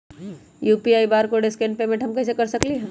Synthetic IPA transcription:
juːpiaːibaːɾkoɖeskẽːnɖpemẽɳʈɦɐmkɛːs̬ekɐɾsɐkliɦ

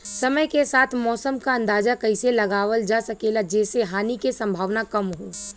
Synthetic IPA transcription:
sɐməjkesaːt̪ʰmɔːsəmkaɐ̃nd̪aːzakɐɪselɐɡaːʋəld͡ʒasɐkeːlad͡ʒɛːseɦaːnikesɐ̃mbʱaːʋnakɐmɦoː

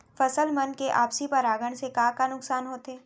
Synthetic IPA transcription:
fɐsəlmɐnkeʔa̰ːpsipɐɾaːɡəɽ̃sekakanʊksaːnɦoːt̪eː

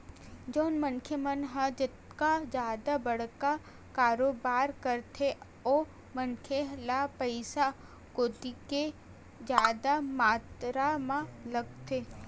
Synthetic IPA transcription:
d͡ʒoːnmɐnkʰjəmənɦãd͡ʒɪt̪kad͡ʒjaːd̪abɐɽ̤ka | kaːɾoːbaːɾkɐɾt̪ʰe | oː | mɐnkʰjelapɐɪsa | koːd̪ike | d͡ʒjaːd̪amaːt̪ɾamãlɐɡt̪ʰeː

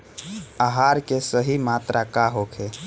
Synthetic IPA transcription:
aɦaɾkesəɦimat̪ɾʔakaɦokʰe

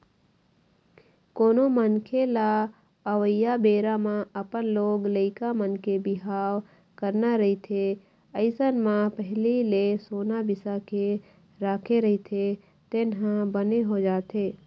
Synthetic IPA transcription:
koːnomənkʰela | əʋəjabeːɾamãəpənloːɡləɪkamənkebɪɦaːw | kəɾnaɾəit̪ʰe | əɪsənmãpəɦlilesoːnabɪsake | ɾaːkʰeɾəɦit̪ʰe | t̪enɦãbəneɦod͡ʒaːt̪ʰeː

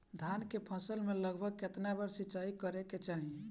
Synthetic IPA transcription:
d̪ʱankepʰəsəlmeləɡbʱəɡket̪nabəɾsit͡ʃaikəɾeket͡ʃaɦi

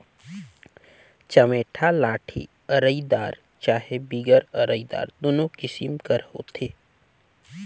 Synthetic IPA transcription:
t͡ʃɐmeːʈʰalaːʈʰḭ | ɐɾəid̪aːɾ | t͡ʃaːɦebiːɡəɾɐɾəid̪a̰ːɾd̪oːnõkɪsimkəɾho̰ːt̪ʰeː

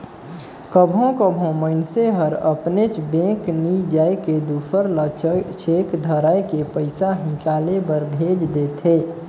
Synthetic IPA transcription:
kəbʱõkəbʱõmənseɦəɾə̰pnet͡ʃbẽknid͡ʒaːeked̪uːpʰəɾlət͡ʃʰekd̪ʱəɾajkepəɪsaɦɪ̃kaːlebəɾbʱeːd͡ʒd̪et̪ʰeː

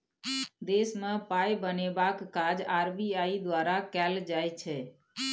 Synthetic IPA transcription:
d̪esmãpajbənebakːad͡ʒaɾbiaid̪ʋaɾakɛld͡ʒajt͡ʃʰe

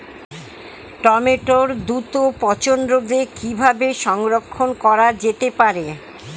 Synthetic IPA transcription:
ʈɔmeʈoɾd̪ut̪opɔt͡ɕond̪ɾod̪ekibʱabeʃɔŋɾokʰːonkɔɾad͡ʑet̪epaɾe

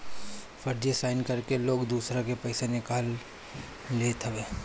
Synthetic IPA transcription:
fʰɐɾd͡ʒesaːɪnkɐɾkeloːɡd̪uːsɾãkepɐɪsenɪkaːlː | eːt̪ʰɐʋeː

